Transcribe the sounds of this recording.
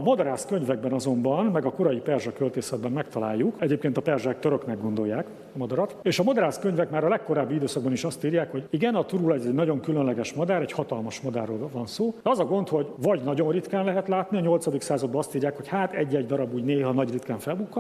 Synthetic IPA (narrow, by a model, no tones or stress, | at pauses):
mɒd̪ɒɾaːskø̞ɲvɛɡ̚bɛnɒzo̞mbɒnmɛɡɒko̞ɾɒjipɛrʒɒkølt̪eːsɛd̪̚bɛmmɛkt̪ɒla̰ːjːukɛɟeːpkeːnt̪ɒpɛrʒak̚t̪øɾøknɛɡo̞nd̪o̞jːaːk | ɒmɒd̪ɒɾɒt̪eːʃɒmod̪ɒɾaːskø̞ɲvɛkmaːɾɒlɛkːo̞ɾaːbːiid̪øːsɒɡ̚bɒniʃɒst̪iːɾjaːkho̞ɟiɡɛnɒt̪uɾulɛzɛɟnɒɟo̞ŋkylønlɛɡɛʃmɒd̪aːɾɛchɒt̪ɒlmɒʃmɒd̪a̰ːrːoːlvɒnsoːd̪ɛɒzɒɡo̞nt̪ho̞ɟvɒɟnɒɟo̞nrit̪kaːnlɛɦɛt̪laːt̪niɒɲo̞lt̪sɒd̪iksaːzɒd̪̚bɒɒst̪iːrjaːkho̞chaːt̪ɛɟːɛɟd̪ɒɾɒbuːɟneːɦɒnɒɟrit̪kaːɱfɛlbukːɒ